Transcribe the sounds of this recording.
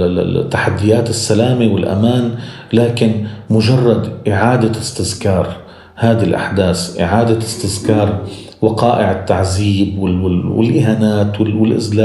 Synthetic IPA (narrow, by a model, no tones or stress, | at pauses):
t̪ːaħad̪ːɪjaːt̪ɪsːalaːmewɪlʔa̰maːn | laːkɪnmʊʒɑrˤːɑd̪ʔɪʕaːd̪aɪst̪ɪzkɑːɾˤ | haːd̪alʔa̰ħd̪aːsʔɪ̰ʕaːd̪aɪst̪ɪðkɑːɾˤ | wɑqɑːʔɪʕɪt̪ːaʕziːbwɪɪwɪ̰lʔɪɦanaːt̪wɪwɪlʔɪ̰zlaː